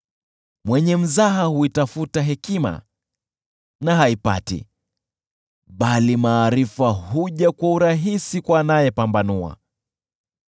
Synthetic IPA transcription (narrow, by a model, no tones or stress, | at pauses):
mwɛɲɛm̩zaɦahuitafutaɦɛkima̰ | naɦaipa̰tḭ | ɓalimaːɾifahuʄakwauɾaɦisikwanajɛpambanua̰